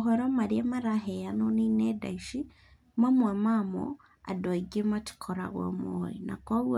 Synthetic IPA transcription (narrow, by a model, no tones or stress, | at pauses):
ɦɔɾɔmaɾiamaɾaɦɛjanɔninɛda̰iʃi | mamwɛmamɔ̰ | a̰dɔiɡemati̥kʰɔɾa̰ɣɔ̰mɔ̰ḭna̰kwawɔ